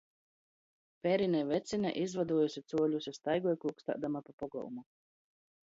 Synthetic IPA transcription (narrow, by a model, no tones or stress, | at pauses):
pɛɾinɛvɛt̪sʲinʲɛ̰ʔizvad̪uɔjusʲit̪suɔʎʲusʲist̪ajɡɔjkuːkst̪a̰ːd̪amapapɔɡɔ̰wṵmu